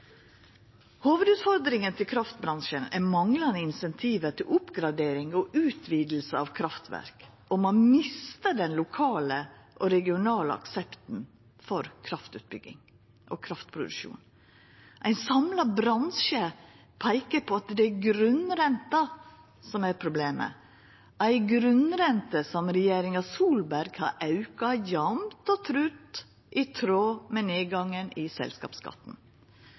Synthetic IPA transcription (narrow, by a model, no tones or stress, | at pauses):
hoːʋəd̪ʉːt̪fɔɾd̪ɾɪŋənt̪ʰɪlkʰɾɑft̪̚bɾɑnʃənæ̰mɑŋlɑnəɪnsɛnt̪ʰiːʋət̪ʰɪlʊpɡɾɑd̪eːɾɪŋɔʔʉːt̪ʰʋiːd̪l̩səɑʋkʰɾɑft̪ʰʋæ̰ɾk | ɔmɔnmɪst̪əɖɛnlʊkʰɑːləʔɔɾɛɡɪʊnɑːlə̰ɑ̰ksɛpt̪n̩ | fɔɾkʰɾɑft̪ʉ̰ːt̪̚bʏɡɪ̰ŋ | ʔɔkʰɾɑft̪pʰɾʊd̪ʉʃṵːn | ʔæɪnsɑmlɑbɾɑnʃə | pʰæɪkəɾpʰɔɑt̪d̪ɛæɡɾʉnɾɛnt̪ɑ | sɔmæɾpʰɾʊbleːmə̰ | ʔæɪɡɾʉnɾɛnt̪əsɔmɾɛjeːɾɪŋɑsuːlbæɾɡhɑ̰ɾʔɑʉkɑjɑmt̪ɔt̪ʰɾʉːt̪ | ʔɪt̪ʰɾoːmɛneːɡɑŋːənɪsɛ̰lskɑ̰ːpskɑ̰t̪ːn̩